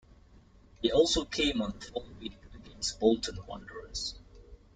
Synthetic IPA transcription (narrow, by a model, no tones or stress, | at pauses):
hiɔlˠsokʰẽɪ̃mə̃nfɔlwiəɡɛ̃nsbolˠtʰə̃nwʌ̰̃ndəɹəs